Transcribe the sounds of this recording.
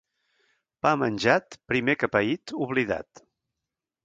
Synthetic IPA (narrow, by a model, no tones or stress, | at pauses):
pamənʲʒat̪pɾimekəpəit̪uβliða̰t̪